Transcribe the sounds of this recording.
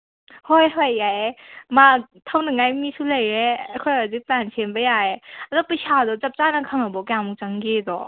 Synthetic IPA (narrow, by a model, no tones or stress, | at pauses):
hɔjɦɔjːaematʰawnɯŋajmisʰulajɾejkʰɔjaziplansʰenbəjaeadɔpəjsadɔt͡ʃap̚t͡ʃanakʰaŋabɔkjamukt͡ʃaŋɡed̪ɔ